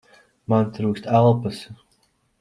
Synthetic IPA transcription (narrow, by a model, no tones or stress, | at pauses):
mant̪ɾuːkst̪alˠpas